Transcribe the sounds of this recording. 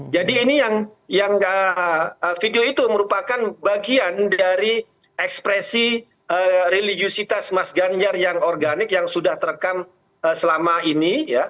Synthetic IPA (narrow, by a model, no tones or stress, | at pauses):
d͡ʒadiːnijaŋjaŋəəfideoit̪uməɾupakanbaɡiandaɾi | ɛkspɾɛsi | əɾiliɡiosit̪asmasɡaɲd͡ʒarjaŋɔrɡanɪkjaŋsudaht̪əɾəkam | əsəlamainija